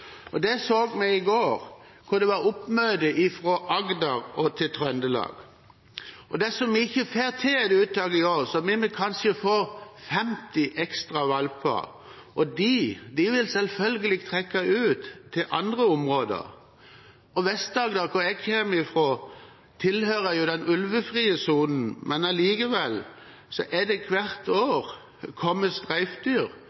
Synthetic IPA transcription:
ɔd̪ɛsoːɡmɛɪɪɡoːɾ | kʰʊɾd̪ɛʋɑɾʊpmœːd̪əʔɪfɾɔʔɑɡd̪ɑɾɔt̪ʰɪlt̪ʰʁɾœnd̪əlɑ̰ːɡ̥ | ɔd̪ɛsɔmɪɪçːəfeːɾt̪ʰɪlɛd̪ʉːt̪̚ɑːɡəɪoːʁsɔmɪmɛkʰɑnʃəfoːɾfɛmt̪ɪʔɛkst̪ʁɑʋɑlpʰɑ̰ | ʔɔd̪id̪ɪʋɪlsɛlfœlɡəlɪːɡt̪ʰʁɛkːɑʉːt̪ʰːɪlʔɑ̰nd̪ʁəʊmʁoːd̪ə̰ʁ | ɔʋɛst̪̚d̪ɑːɡd̪ɑkɔjɛɡçʰeːmɪfʁoː | t̪ʰɪlhøːʁəjʊd̪ɛnʉlʋəfʁiːəsuːnn̩mʔɛnɑliːkəʋɛl | sɔʔɛd̪ɛkʰʋæɾt̪oːʁ | kʰɔmːəst̪ʁæɪfd̪yːʁ

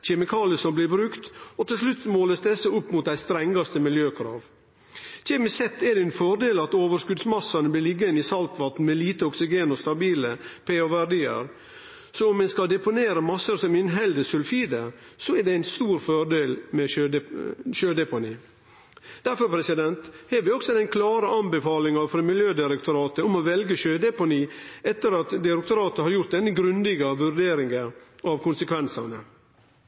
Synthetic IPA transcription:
çɛmɪkʰɑːlɪəsɔmblɪɾbɾʉkt̪ɔt̪ɪls̬lʉt̪smoːləsd̪ɛsːəʊpːmʊt̪̚d̪æɪst̪ɾɛŋɡɑst̪əmɪljøːkʰɾɑ̰ːʋ | çɛmɪsɛt̪ːɛɾɖ̪ɛɪnfɔɾɖ̪eːlɑt̪oːʋəɾskʉd̪smɑsɑnəblɪlɪɡːəɪnisɑlt̪ʋɑt̪n̩mɛliːt̪əɔksɪɡeːnɔst̪ɑbiːləpʰeːoʋæɾɖiːə̰ɾ | sɔʊmɛnskɑld̪ɛpʊneːɾəmɑsəɾsɔmɪnɦɛld̪əsʉlfiːd̪əsɔæɾɖɛæɪnst̪uːɾfɔɖeːlmɛøʃøːd̪ɛpʊniː | d̪̥æɾfɔɾpʰɾɛsɪd̪ɛnt̪hɛɾʋɪɔksɔd̪ɛnkʰlɑːɾəʔɑnbəfɑːlɪŋɑfɔɾmɪljøːd̪ɪɾəkt̪ʊɾɑːt̪əʊmoːʋɛlɡəʃøːd̪ɛpʊniːɛt̪ːəɾɑt̪d̪ɪɾɛkt̪ʊɾɑːt̪əhɑɾjʊɾt̪̚d̪ɛnːəɡɾʉnd̪ɪɡɑʋʉɾɖ̪eːɾɪŋɡəʔɑʋkʰʊnsəkʰʋɛnsɑnə

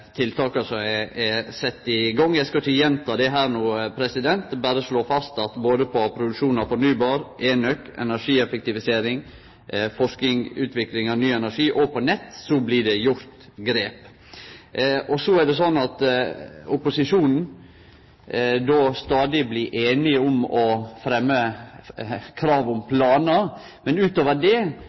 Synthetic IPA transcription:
t̪ʰɪlt̪ʰɑːkəsɔæɛsɛt̪ːɪɡɑŋːjæɪskɑɪçəjɛnt̪ʰɑːd̪ɛɦæːɾnuːpʰɾɛsɪd̪ɛnt̪bæːɾəsloːfɑst̪ɑt̪boːd̪əpʰɔpʰɾʊd̪ʉkʂuːnɑʋfɔɾnyːbɑːɾʔeːnœkɛ̰næʂiːɛfɛk̚t̪ɪʋɪseːɾɪŋ | fɔʂkɪŋʉ̰ːt̪ʰʋɪklɪŋɑnyːɛnæʂiːʔɔpʰɔnɛt̪ːsɔblɪɖɛjʊɾt̪ɡɾeːp | ɔsɔæɖɛsɔnːɑt̪ | ʊpʊsɪʂuːnn̩ | d̪oːst̪ɑːd̪ɪbliʔeːnɪʊmɔfɾɛmːə | kʰɾɑːʋʊmpʰlɑːnə | mɛnʉːt̪oːʋəɖɛ

